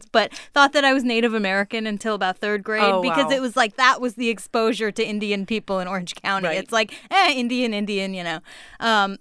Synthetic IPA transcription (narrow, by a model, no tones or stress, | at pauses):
b̥ʌt̪̚θɔt̪̚ðɨɾaɪwʌzneɪɾɨvɨmɛɹɨkɨ̃nɨ̃ntʰɪlˠəbaʊt̪̚θɜ˞d̚ɡɹeɪd̚bɨkʌzɨt̚wʌzlaɪk̚ðəʔ̚wʌzðiɨkspoʊʒə˞ɾɨɪ̃ndiɨ̃npʰipl̩ˠə̃ñɔɹɨ̃n̥ʒ̥kʰãʊ̃ɾiɨtslaɪkæɪ̃ndiɨ̃nɪ̃ndiɨ̃njɨnoʊʔʌ̃m